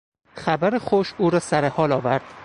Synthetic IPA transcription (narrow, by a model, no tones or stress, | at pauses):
xæbæɾexoʃuːɾɒːsæɾehɒːlɒːvæɾd̪̥̚